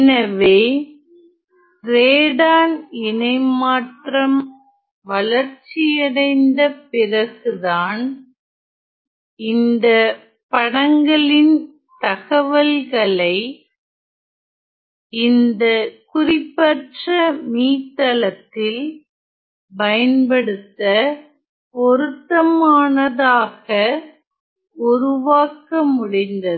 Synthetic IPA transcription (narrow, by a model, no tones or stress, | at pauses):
nɐʋeː | ɾeːɽaːnɪnɐɪmaːʈrɐm | ʋɐlɐɾt͡ʃːɪjɐɽɐɪnd̪ɐpɪrɐɣɯðaːn | ɪnd̪ɐ | pɐɽɐŋɡɐɭɪn | t̪ɐɣɐʋɐlɣɐɭɐɪ | ɪnd̪ɐkʊrɪpːɐʈrɐmiːt̪ːɐɭɐt̪ːɪl | pɐjɐnpɐɽɯt̪ːɐ | pɔɾɯt̪ːɐmaːnɐðaːɣɐ | ʊɾɯʋaːkɐmʊɽɪnd̪ɐð